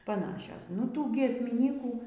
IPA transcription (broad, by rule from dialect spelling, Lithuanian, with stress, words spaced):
pɐˈnɑːʃʲoːs nʊ ˈtuː ɡʲiɛsʲmʲɪˈnʲiːkuː